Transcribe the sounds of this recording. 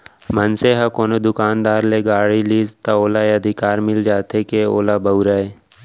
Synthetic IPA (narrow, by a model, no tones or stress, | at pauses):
mənseɦakoːnod̪ʊkaːnd̪aːɾleɡaːɽiliːzt̪aoːlaeɐd̪ʱɪkaːɾmɪld͡ʒaːt̪ekeoːlabəuɾaeː